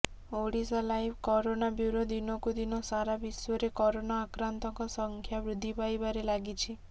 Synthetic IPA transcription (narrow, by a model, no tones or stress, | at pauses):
oɽisalajbʰkɔɾonabjuɾod̪inɔkud̪inɔsaɾabiswɔɾekɔɾonaːkɾant̪ɔŋkɔsɔŋkʰjabɾud̪ʱːipajbaɾelaɡit͡ʃʰi